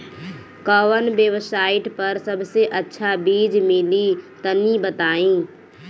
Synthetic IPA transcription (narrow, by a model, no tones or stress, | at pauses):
kəʋənbjəwsaːɪʈpəɾsəbseʔətːʃʰabiːd͡ʒmɪlit̪ənibət̪aːĩ